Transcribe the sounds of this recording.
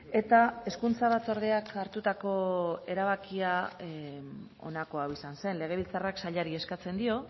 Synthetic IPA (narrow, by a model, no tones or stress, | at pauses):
e̞t̪ae̞skunt͡saβat͡s̪o̞ɾðe̞akʰaɾt̪ut̪ako̞e̞ɾaβ̞akia | o̞̰nako̞awisanse̞nle̞ɣ̞e̞β̞ilt͡saraksaʎaɾie̞skat͡se̞nd̪io̞